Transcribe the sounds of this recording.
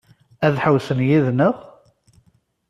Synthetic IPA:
æðħəwsənjiðnəʁ

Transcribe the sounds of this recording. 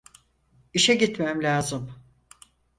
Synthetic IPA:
iʃɛɟit̪mæmlʲaːzɯm

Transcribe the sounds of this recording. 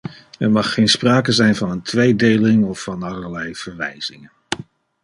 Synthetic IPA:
ɛɹmɑχːejnspraːkəzɛjnvɑnəntʋejdejlɪŋɔfɑnɑləɹlɛjv̥əɹʋɛ̰jz̥ɪŋən

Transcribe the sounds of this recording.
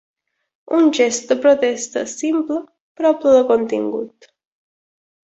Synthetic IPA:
und͡ʒest̪̚d̪əpɾot̪est̪ə̰simplə | pɾɔplələkont̪ḭŋɡṵt̪

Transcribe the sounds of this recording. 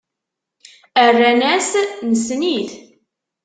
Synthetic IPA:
ərːænæsnəsniθ

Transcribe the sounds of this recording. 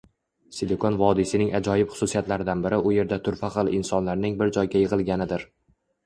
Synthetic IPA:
sɪd̪ekʰonvɒd̪ɪsɪnɪŋad͡ʒɒjɪpχʊ̥susijat̪laɾɪd̪anbɪɾɪʔʊje̞ɾd̪at̪ʰʊɾfaqɨlˠɪnsɒnlaɾnɪŋbɪɾd͡ʒɒjɡʲajɨʁɨlˠɡʲanɪd̪ɪɾ

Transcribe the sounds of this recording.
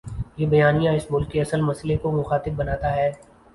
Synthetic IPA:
jeːbɐjaːnijãɪsmʊlkːeɐsəlmɐsəlekomʊxaːt̪ɪb̚bɐnaːt̪aɦɛː

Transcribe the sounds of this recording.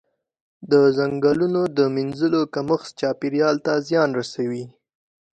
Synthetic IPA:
d̪əzaŋɡɑlunod̪əminzəlokaməxst͡ʃɑpiɾjɑlt̪azjɑnɾasawi

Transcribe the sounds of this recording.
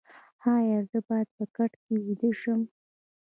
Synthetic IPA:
hɑjaɾzəbɑjad̪̚pəkaʈkewid̪əʃəm

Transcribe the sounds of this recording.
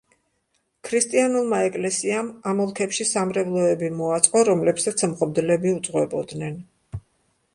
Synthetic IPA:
kʰɾist̪ʼianulˠmaɛkʼlɛsiamamɔlˠkʰɛpʃisamɾɛvlˠɔɛbimɔat̪sʼqʼɔɾɔmlɛpsat̪sʰmʁɔd̪lɛbiut̪sʼʁwɛbɔd̪nɛn

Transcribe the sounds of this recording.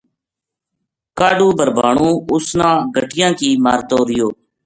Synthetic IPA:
kaːɖũːbəɾbʱaːɳũːʊsnãːɡʱəʈɪjãːkiːmaːɾt̪oːɾɪjoː

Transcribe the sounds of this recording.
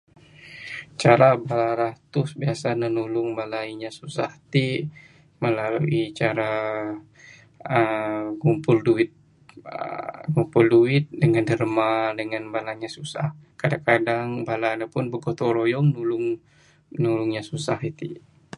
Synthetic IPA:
t͡ʃaɾabalaɾat̪ʊsbiasanənulʊŋbalaiɲasusaht̪i | məlaluit͡ʃaɾa | əɡumpʊlduɪt̪̚ | ɡumpʊlduɪt̪̚dəŋandərmadəŋanbalaɲasusahkadakadaŋbalanapʊnbəɡot̪ɔɾojɔŋnulʊŋ | nulʊŋɲasusahit̪i

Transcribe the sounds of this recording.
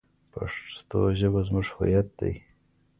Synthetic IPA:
pa̰ʂt̪o̰ʒəbazmʊʂho̰jat̪̚d̪a̰j

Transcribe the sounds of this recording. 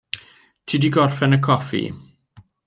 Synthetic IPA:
tʰidiɡɔrfɛnəkʰɔfḭ

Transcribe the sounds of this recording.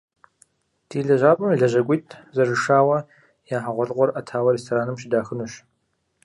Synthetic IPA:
d̥iːɮɐʑaːpʷʼɐmɮɐʑɐkʷʼitʰʼzɐrɨʂaːwɐ | jaːħaʁʷɔɮqʷɔrʔɐtʰaːwɐɾeːstʰoːɾaːnɨmɕɪdaːxɨnuɕ

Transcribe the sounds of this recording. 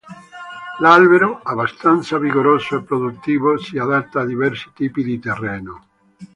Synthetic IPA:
lalβeɾoaβast̪ant̪saβiɣoɾosoepɾoðut̪ːiβosiaðat̪ːaːðiβɛɾsi̥t̪ipiðit̪ereno

